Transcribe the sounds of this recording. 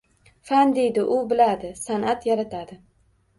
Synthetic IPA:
fand̪e̞jd̪ɪʔʊbɪlad̪ɪsanat̪jaɾat̪ʰad̪ɪ

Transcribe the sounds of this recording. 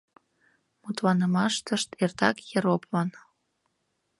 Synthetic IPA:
mut̪lɑnə̆mɑʃt̪əʃt̪ert̪ɑkjəɾopvɑn

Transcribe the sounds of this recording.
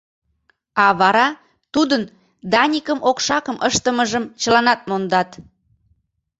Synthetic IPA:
ɑβɑɾɑ | t̪ud̪ən | d̪ɑnʲikəmʔokʃɑkəmʔəʃt̪əməʒəmt͡ɕəlɑnɑt̪̚mond̪ɑt̪

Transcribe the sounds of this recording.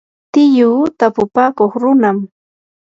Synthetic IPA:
t̪ɪjʊːt̪apʊpaːkoχɾʊnam

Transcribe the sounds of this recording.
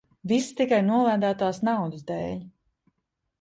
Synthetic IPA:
vist̪ikajnuɔlˠæːd̪æːt̪aːsnawd̪ɨzd̪ɛːlʲ

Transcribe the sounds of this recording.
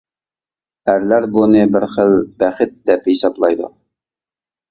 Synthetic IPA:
æɾlæɾbunɨbɪɾχəlbɛχɪt̪̚d̪ɛphisɑblˠɑjd̪ṵ

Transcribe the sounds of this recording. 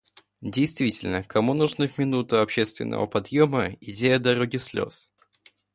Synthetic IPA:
dʲejst̪vʲitʲɪlʲnəkʰɐmunʊʐnɨvmʲɪnut̪ɨɐpɕe̞st̪vʲɪ̰nʔə̰və̰pɐd̪joməɪdʲejəd̪ɐɾoɡʲɪslʲo̰s

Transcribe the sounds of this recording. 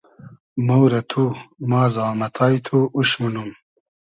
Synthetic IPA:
mɐwɾɐt̪ʰumaːzaːmɐt̪ʰaːjt̪ʰuuɕmunum

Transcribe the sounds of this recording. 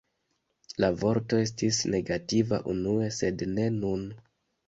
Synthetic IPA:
lavo̞ɾto̞e̞s̬tisne̞ɡativa̰ʔunue̞se̞dne̞nun

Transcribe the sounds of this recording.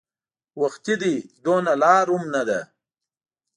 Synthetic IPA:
waxt̪id̪id̪onalɑːɾumnad̪a̰

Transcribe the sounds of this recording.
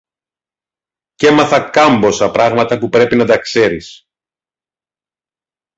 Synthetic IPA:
ce̞mɐθɐkɐmbo̞sɐpɾɐɣmɐt̪ɐpupɾe̞pinɐt̪ɐkse̞ɾḭs

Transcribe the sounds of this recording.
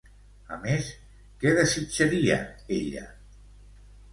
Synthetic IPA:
əmes | kɛðəsit͡ʃəɾiə̰eʎə̰

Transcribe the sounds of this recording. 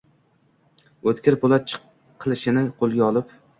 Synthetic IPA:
ɵt̪kʲɪɾpʰolˠat̪̚t͡ʃʰɨ̥ | qʰːɨlˠɪʃɪnɪqʰolˠɡʲaɒlˠɪp

